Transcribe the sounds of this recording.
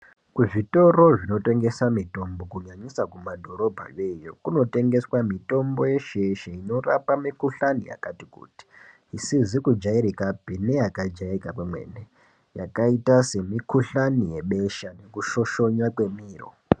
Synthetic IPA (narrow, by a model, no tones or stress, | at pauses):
kuʐito̞ro̞ʐino̞te̞ŋɡe̞samito̞mbo̞kuɲaɲisakumadʱo̞ɾo̞bʱa̰je̞jo̰kuno̞te̞ŋɡe̞swamito̞mbo̞je̞ʃeʃeino̞rapamikuɬanḭja̰katikṵːti̥ː | sizikud͡ʒaiɾikabʱinejakad͡ʒaikakwemwe̞̰ːne | ja̰kaitase̞mikuɬanije̞ɓe̞ʃane̞kuʃo̞ʃo̞ɲakwe̞miːro̰